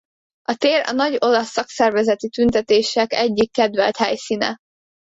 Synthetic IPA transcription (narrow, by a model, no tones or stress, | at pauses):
ɒt̪eːɾɒ̰nɒɟo̞lɒsːɒksɛrvɛzɛt̪it̪ynt̪ɛt̪eːʃɛkɛɟːikːɛd̪vɛlt̪hɛjsiːnɛ̰